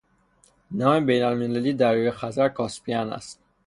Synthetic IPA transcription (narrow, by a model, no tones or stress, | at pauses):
nɒːmebejnælmelæliːd̪æɾjujexæzæɾkʰɒspʰiænæ̰st̪̚